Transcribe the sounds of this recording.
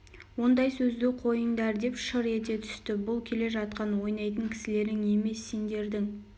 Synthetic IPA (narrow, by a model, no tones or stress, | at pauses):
wo̞nd̪ɑjsɵzd̪ɪqʰo̞jəɴd̪ɑɾd̪e̞pʃəɾe̞t̪e̞t̪ʰʏ̥st̪ɪbʊlˠkʲʰe̞le̞ʒɑt̪qɑnwo̞jnɑjt̪̬əŋkʲʰɪ̥sɪle̞ɾɪŋe̞me̞sːe̞nd̪e̞ɾd̪ɪŋ